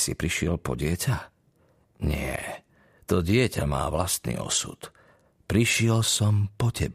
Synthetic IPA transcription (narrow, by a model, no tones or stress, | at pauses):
sḭpɾiʃɪɛlpɔɟɪɛcʰa | ɲɪɛ̰ | t̪ɔɟɪɛcama̰ːʋlast̪nḭːɔ̰sṵt̪ | pɾiʃɪɛlsɔmpɔcɛb